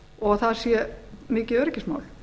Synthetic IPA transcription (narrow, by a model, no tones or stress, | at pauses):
ɔɣθaðsjɛmɪːcɪœɾɪcɪsma̰ːwl